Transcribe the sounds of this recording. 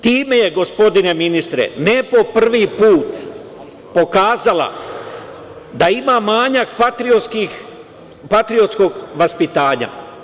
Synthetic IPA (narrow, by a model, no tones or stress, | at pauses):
t̪iːme̞je̞ɡo̞spo̞d̪ine̞minist̪ɾḛnepo̞pr̩ʋipuːt̪ | po̞kaːzala̰ | d̪aimamaːɲakpat̪ɾioski | pat̪ɾio̞t̪sko̞ɡʋaspit̪aːɲa̰